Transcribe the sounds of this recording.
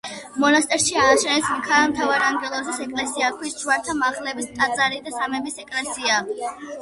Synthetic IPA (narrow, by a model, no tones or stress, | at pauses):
mɔnast̪ʼɛɾʃiaːʃɛnɛsmkʰaɾamt̪ʰavaɾaŋɡɛlˠɔsasɛkʼlɛsiakʰwist͡ʃuaɾt̪ʰamaʁlɛbist̪ʼat̪sʼaɾid̪asamɛbisɛkʼlɛsia